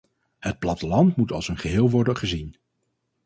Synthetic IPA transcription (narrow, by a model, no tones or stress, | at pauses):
hət̚plɑtəlɑntmutɑlˠsənχəɦɪːlˠʋɔɹdənχəzin